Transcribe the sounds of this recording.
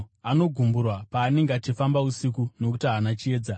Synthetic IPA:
ano̞ɡʱumburwapaːne̞ŋɡeat͡ʃifambausikuno̞k̬utiaːnat͡ʃie̞ːd͡za

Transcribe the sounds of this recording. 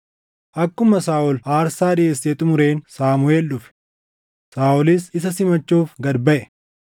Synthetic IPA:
ʔɐkːʊmɐsaːɔlaːɾsaːd̪ɪeseːt̪ʼʊmʊɾe̞ːnsaːmʊeːlːʊfɪ̥ | saːɔlɪsɪs̬ɐsɪmɐt͡ʃːuːfɡɐd̪bɐʔɛ

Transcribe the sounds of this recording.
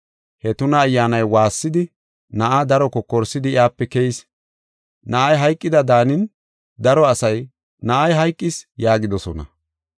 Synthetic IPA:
hɛt̪ʊnɐːjːaːnɐjwaːsːɪd̪ɪ | nɐʔad̪ɐɾɔkɔkːɔɾsɪd̪ɪjaːpːɛkɛjs | nɐʔɐjɦɐjkʼːɪd̪ɐd̪aːnɪn | d̪ɐɾɔɐsɐj | nɐʔajɦɐjkʼːɪsjaːɡɪd̪ɔsɔnɐ̰

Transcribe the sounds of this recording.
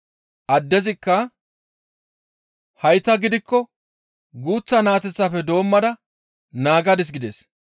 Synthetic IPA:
ʔɐd̪ːɛzɪkːɐ | hɐjt̪ɐɡɪd̪ɪkːɔ | ɡuːt͡sːɐnaːt̪ɛt͡sːafɛd̪o̞ːmːɐd̪ɐ | naːɡɐd̪ɪs̬ɡɪd̪ɛs

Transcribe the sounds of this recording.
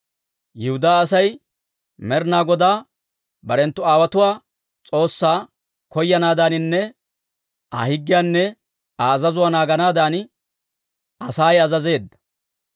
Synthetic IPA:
jɪhʊd̪aːsɐj | mɛɾnaːɡɔd̪aː | bɐɾɛnt̪ːʊaːwɐt̪ʊwaː | t͡sʼo̞ːsːaː | kɔjːɐnaːd̪aːnɪnːɛ | a̰hɪɡːɪjaːnːɛ | aːzɐzʊwaːnaːɡɐnaːd̪aːn | ɐsaːjɐzɐze̞ːd̪ːɐ̥

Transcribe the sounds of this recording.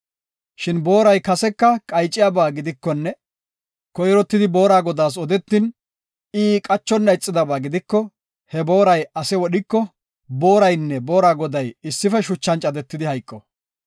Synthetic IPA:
ʃɪnboːɾɐjkɐsɛkːɐkʼɐjt͡ʃʼːɪjabaːɡɪd̪ɪkːɔnːɛ | kɔjɾɔt̪ːɪd̪ɪbo̞ːɾaːɡɔd̪aːs̬ɔd̪ɛt̪ːɪn | iːkʼɐt͡ʃːɔnːɐɪt͡sʼːɪd̪ɐbaːɡɪd̪ɪkːɔ | hɛbo̞ːɾɐjɐsɛwɔɗɪkːɔ | bo̞ːɾɐjnːɛbo̞ːɾaːɡɔd̪ɐjɪsːɪfɛʃʊt͡ʃːɐnt͡ʃʼɐd̪ɛt̪ːɪd̪ɪhɐjkʼːɔ

